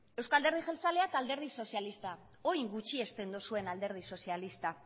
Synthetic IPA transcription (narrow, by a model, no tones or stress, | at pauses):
e̞wskald̪eɾð̞iʝelt͡saleat̪ald̪e̞ɾð̞iso̞sialist̪a | ojŋɡut͡ʃie̞st̪e̞nd̪usue̞nald̪e̞ɾð̞iso̞sialist̪a